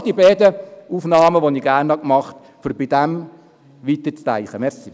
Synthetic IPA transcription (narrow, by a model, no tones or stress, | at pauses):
d̥̪ibɛːd̪əufnɑːməʋoniːɡæːɾnhɑkmɑχt | fyɾbɪd̥̪æm | ʋit̪ət͡stæ̰ɪχəmɛɾsi